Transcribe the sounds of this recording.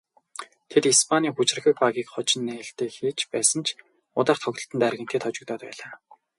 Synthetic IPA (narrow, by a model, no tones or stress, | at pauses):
t̪ʰet̪ispʰanʲiːxut͡ɕrə̆xə̆k̚paɣiːkχɔt͡ɕɪ̆nːĕːɬt̪eːxiːt͡ɕʰpæːsə̆nt͡ɕʰ | ʊ̰t̪aːχt̪ʰɔɣt̪ə̆ɬt̪ə̆nt̪ærɣʲɪ̥̆t̪ʰeːt̪χɔt͡ɕɪ̆kt̪ɔːt̪pæ̰ːɮaː